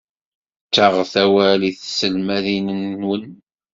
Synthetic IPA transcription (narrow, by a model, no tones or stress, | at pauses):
t͡ʃːaʁθæwæliθsəlmæðinənːwən